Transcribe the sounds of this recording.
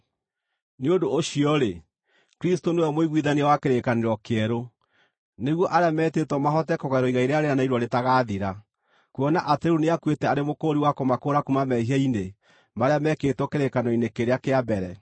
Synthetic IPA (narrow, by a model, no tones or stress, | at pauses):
neodoːɕiɔɾe | kɾistonewɔmoiɣwiðaniawakeɾekaneɾɔkeɛɾo | neɣwɔʔaɾeamɛːtetɔmaɦɔtɛkɔɣɛɾɔiɣaiɾeaɾeanaiɾwɔɾetaɣaːðiɾa | kuɔnaʔatɛɾuneakwetɛaɾemokoːɾiwakomakoːɾakumamɛhiɛine | maɾeamɛkeːtɔkeɾekanɔinekeɾeakeabɛɾɛ